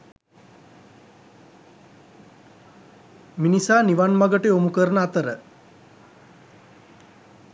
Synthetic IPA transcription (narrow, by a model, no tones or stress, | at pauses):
minisaːniʋanmaɡəʈeomukəɾnəat̪əɾə